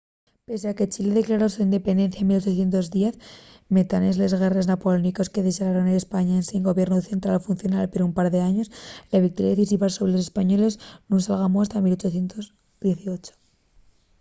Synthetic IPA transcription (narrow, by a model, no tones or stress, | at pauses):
pe̞seaket͡ʃile̞ðeklaɾo̞suind̪e̞pe̞nd̪e̞n̟θjaemilo̞t͡ʃoθje̞nt̪o̞zðje̞θ | me̞t̪ane̞zle̞zɣe̞re̞znapoloniko̞skeðeʃalaɾonele̞spaɲaenseŋɡo̞βje̞ɾnuðeθe̞nt̪ɾalofunθjo̞nalpeɾumpaɾðe̞aɲo̞slaβik̚t̪oɾjaðeθis̬iβasoβɾelosespaɲo̞le̞znũnsalɣamoast̪amilo̞t͡ʃoθje̞nt̪oz | ðje̞θio̞t͡ʃo̥